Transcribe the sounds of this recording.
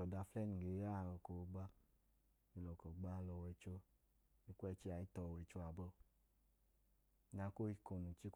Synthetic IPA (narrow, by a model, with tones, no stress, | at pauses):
ɔ˨da˧flɛ˦ni˨ɡe˨˦a˦˨lɔ˨ko˨˧˦ɡ͡ba˧ | mi˧lɔ˨kɔ˨ɡ͡ba˧˦˧lɔ˧wɛ˧˨t͡ʃo˧ | i˧kʷɛ˦˨t͡ʃi˦˧a˨i˦tɔ˧˨wɛ˨t͡ʃo˧a˨bɔ˧˦˧ | na˧˦ko˦i˧ko˨˧˨nu˨t͡ʃi˦k